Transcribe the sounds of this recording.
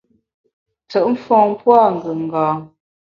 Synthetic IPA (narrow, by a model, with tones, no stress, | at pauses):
tə˨ʔm̩˦fɔ̃ː˨ŋ˦pwa˦˨ŋ˨ɡə˨ŋ̩˨ɡaː˨